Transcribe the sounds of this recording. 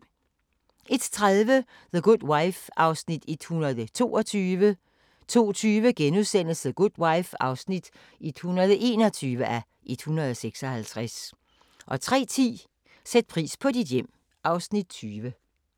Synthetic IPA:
ʔe̝d̥t͡sʰʁaðˠʋə | ðəɡ̥ud̥waɪfɑ̈ʊsnid̥id̥hunɐðˠət͡sʰo̝ːɒt͡sʰyːʋə | t͡sʰo̝̰ːt͡sʰyːʋəɡ̥enuðˠsen̰l̩sð̩ɡ̥ud̥waɪfɑ̈ʊsnid̥ | id̥hunɐð̞ˠʔe̝̰ːnɒ̽t͡sʰyːʋəʔæ | ʔed̥hunʁɐð̞̩ˠɒseɡ̥sɒ̽hælt͡sʰʁas | ʔɒ̽t͡sʰʁɛ̰ːt͡sʰḭː | sed̥̚pʰʁḭːspʰɒ̽did̥jem̰ | ʔɑ̈ʊsnid̥̚t͡sʰyːʋə

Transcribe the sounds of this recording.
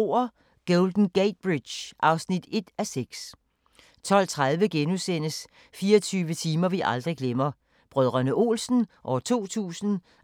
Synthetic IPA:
ɐ | ɡ̥ɔʊld̥n̩ɡ̥eɪd̥̚b̥ʁid̥ɕʔɑ̈ʊsnid̥e̝d̥æseɡ̥s | t͡sʰɒ̽l̰t͡sʰʁaðˠʋəɡ̥enusen̰əs | fiːɐt͡sʰyːʋət͡sʰiːmɐʋiʔɑ̈ld̥ʁiɡ̥lemɐ | b̥ʁœð̞ˠʁɐnəʔo̝̰ːlsn̩ʔɒt͡sʰo̝̰ːt͡sʰṵːsn̩

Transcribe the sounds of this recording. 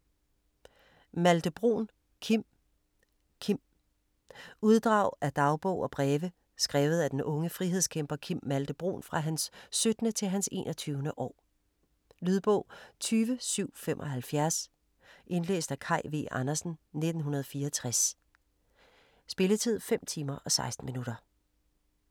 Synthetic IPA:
mæld̥əb̥ʁo̰n | kʰim | kʰim̰ | uð̞ˠd̥ʁɑ̈ʊ̰æd̥ɑ̈ʊb̥ɔʊɒ̽b̥ʁɛːʋə | sɡ̥ʁɛːʊð̞̩ˠæd̥enʔɔ̽ŋəfʁiɦeskʰem̰b̥ɐkʰimːæld̥əb̥ʁo̝̰ːnfʁɑ̈ɦænsːød̥nət͡sʰe̝lɦænse̝̰ːnɒ̽t͡sʰyːʊnəʔɒ̰ː | lyðˠb̥ɔ̰ʊ̰t͡sʰyːʋəsyʊ̰femʔɒ̽ɦælfjæɐs | ʔe̝nlḛːsd̥ækʰɑ̈ɪ̰ʋḛɑnɐsn̩ne̝d̥n̩ɦunɐð̞ˠfiːɐt͡sʰʁas | sb̥e̝lət͡sʰið̞̰ˠfem̰t͡sʰiːmɐʔɒ̽sɑ̈ɪsd̥n̩minuɾ̥ɐ

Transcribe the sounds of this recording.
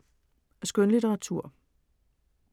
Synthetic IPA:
ɒsɡ̥ønlit͡seʁɑ̈t͡sʰuɐ̰

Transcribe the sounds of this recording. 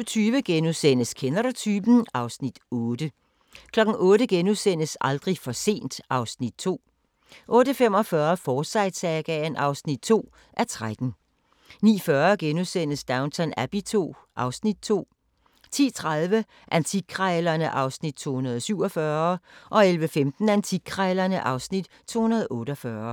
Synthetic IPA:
t͡sʰyːʋəɡ̥enusen̰əskʰenɐɾɐt͡sʰyːb̥n̩ɑ̈ʊsnid̥ɔːd̥ə | kʰlɒ̽ɡ̥n̩ʔɔ̽ːɾəɡ̥enuðˠsen̰əsɑ̈ld̥ʁifɒ̽se̝̰ːnd̥ʔɑ̈ʊsnid̥̚t͡sʰo̝̰ː | ʔɔ̽ːɾ̥əfem̰ɒ̽fɶːɐfɒ̥ːsɑ̈ɪd̥sɛɡ̥ɛnʔɑ̈ʊsnid̥̚t͡sʰo̝̰ː | ʔæɐt͡sʰʁad̥n̩ | nḭːfɶːɐɡ̥enusen̰əsd̥ɑ̈ʊnt͡sʰænæb̥it͡sʰo̝̰ːʔɑ̈ʊsnid̥̚t͡sʰo̝̰ː | t͡sʰḭːt͡sʰʁaðˠʋə | ʔænt͡sʰi̥kʰʁɑɪlɐnəʔɑ̈ʊsnid̥̚t͡sʰo̝̰ːhunɐðˠsyʊ̰ɒ̽fɶɐʔɒ̽elʋəfemd̥n̩ænt͡sʰiɡ̥̚kʰʁɑɪlɐnəʔɑ̈ʊsnid̥ | t͡sʰo̝̰ːhunɐð̞ˠɔ̽ːɾ̥əɒfɶːɐ

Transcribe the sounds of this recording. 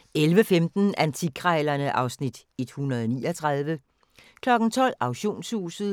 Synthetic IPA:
elʋəfemd̥n̩ænt͡sʰiɡʰʁaɪlɐnəʔɑ̈ʊsnid̥ | e̝d̥hunɐð̞ˠɒnḭːɒt͡sʰʁað̞ˠʋə | kʰlɒ̽ɡ̥n̩t͡sʰɒ̽l̰ɑ̈ʊɕo̝̰ːnshṵːsð̩ˠ

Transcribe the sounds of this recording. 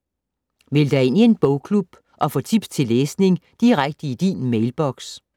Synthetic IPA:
ʋe̝ld̥æe̝n̰ie̝nb̥ɔʊkʰlub̥ | ʔɒ̽fɔ̰̽t͡sʰib̥st͡sʰe̝lːeːsne̝ŋd̥iʁaɡ̥̚d̥əid̥iːnmeɪlb̥ɒɡ̥s

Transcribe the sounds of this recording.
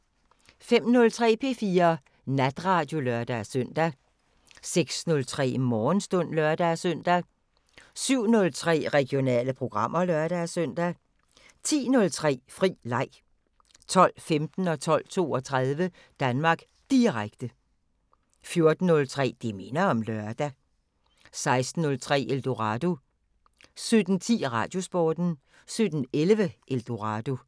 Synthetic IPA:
fem̰nɔ̽lt͡sʰʁɛ̰ːpʰe̝ːfiːɐ | næd̥ʁɑ̈d̥jo̝lœɐd̥æsøn̰d̥æ | seɡ̥snɔ̽lt͡sʰʁɛ̰ːmɒːnsd̥ɔ̽n̰lɶɐd̥æsœn̰d̥æ | syʊ̰nɔ̽lt͡sʰʁɛ̰ːʁɛɡ̥jo̝nɛ̰ːləpʰʁo̝ɡ̥ʁɑ̈m̰ɐlɶɐɾ̥æsøn̰d̥æ | t͡sʰḭːnɔ̽lt͡sʰʁɛ̰ːfʁḭːlɑ̈ɪ̰ | t͡sʰɒ̽l̰femd̥n̩ɒ̽t͡sʰɒ̽l̰t͡sʰo̝̰ːɒ̽t͡sʰʁɑðˠʋə | d̥ænmɑ̈ːɡ̥ | d̥iʁaɡ̥d̥ə | fjo̝ɐd̥n̩ːɔ̽lt͡sʰʁɛ̰ːd̥eme̝nɐɒ̽mlœɐd̥æ | sɑ̈ɪsd̥n̩ːɔ̽lt͡sʰʁɛ̰ːʔeld̥oʁɑ̈d̥o̝ | sød̥n̩t͡sʰḭːʁɑ̈d̥jo̝sb̥ɒːd̥n̩ | sød̥n̩elʋəʔeld̥o̝ʁɑd̥o̝

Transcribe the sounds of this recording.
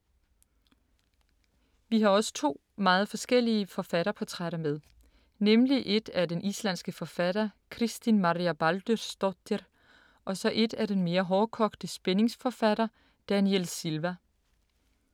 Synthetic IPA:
ʋiɦɑ̈ɒ̽sə̥t͡sʰo̝̰ː | mɑ̈ːð̞̩ˠfɒ̽sɡ̥el̰iəfɒ̽fæɾ̥ɐpʰɒ̽t͡sʰʁaɾɐmeðˠ | nemliʔe̝d̥ædenʔislæn̰sɡ̥əfɒ̽fæɾ̥ɐkʰʁisd̥inmɑ̈ʁiæb̥æld̥øsd̥ɒd̥er | ʔɒ̽sɒ̽ʔe̝d̥æd̥enme̝ːɐɦɒːkʰɒ̽ɡ̥d̥əsb̥ene̝ŋsfɒ̽fæɾ̥ɐ | d̥ænielsilʋæ

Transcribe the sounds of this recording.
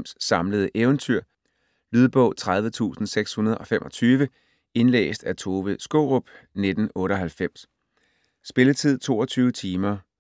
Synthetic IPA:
msːɑ̈mləð̞̩ˠʔeːʊnt͡sʰyɐ̰ | lyð̞ˠb̥ɔ̽ʊt͡sʰʁað̞ˠʋət͡sʰṵːsn̩seɡ̥shunɐð̞ˠɒ̽femʔɒ̽t͡sʰyːʋə | e̝nlḛːsd̥æt͡sʰo̝ːʋəsɡ̥ɔʊʁɔb̥ned̥n̩ɔ̽ːɾəɒ̽ɦælfem̰sː | b̥e̝lət͡sʰið̞̰ˠt͡sʰo̝̰ːɒ̽t͡sʰyːʊət͡sʰiːmɐ

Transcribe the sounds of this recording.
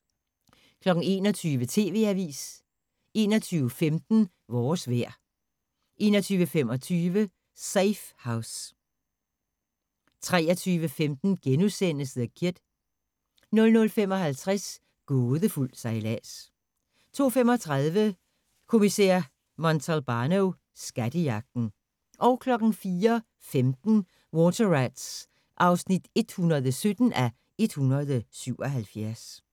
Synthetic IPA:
kʰlɒ̽ɡ̥n̩e̝ːnɒt͡sʰyːʋət͡sʰe̝̰ːʋe̝̰ːæʋḭːs | e̝ːnɒt͡sʰyːʊfemd̥n̩ | ʋɒːsʋeɐ̰ | ʔe̝ːnɒt͡sʰyːʋəfem̰ɒ̽t͡sʰyːʋə | seɪfhäʊs | t͡sʰʁɛːɐt͡sʰyːʋəfemd̥n̩ɡ̥enusen̰əsðˠkʰiɐd̥ | nɔ̽lnɔ̽lfem̰ɒ̽hælt͡sʰʁas | ɡ̥ɔːðˠəful̰̥sɑɪlæ̰s | t͡sʰo̝̰ːfemɒ̽t͡sʰʁɑðˠʋə | kʰo̝misɛ̰ɐ̰ | mɒnt͡sʰælb̥ɑ̈ːnoʊ | sɡ̥æd̥əjɑ̈ɡ̥̚d̥n̩ | ʔɒ̽ʊkʰlɒ̽ɡ̥n̩fiːɐ | femd̥n̩ | wɔt͡sʰɐʁæd̥s | ʔɑ̈ʊsnid̥e̝d̥hunɐðˠəsød̥n̩æ | e̝d̥hunɐð̞ˠəsyʊ̰ɒ̽ɦælfjæɐs

